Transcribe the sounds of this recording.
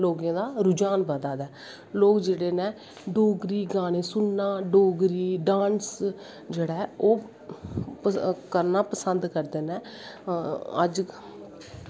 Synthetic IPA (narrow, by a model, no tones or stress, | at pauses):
loːɡãːd̪aːɾʊd͡ʒaːnbəd̪aːd̪ɛː | loːkd͡ʒeːɽeːneː | ɖoːɡɾiːɡaːɽ̃eːsʊnːaːɖoːɡɾiːɖãːns | d͡ʒeːɽaːoː | kəɾnaːpəsənd̪kəɾd̪eːnɛː | əd͡ʒ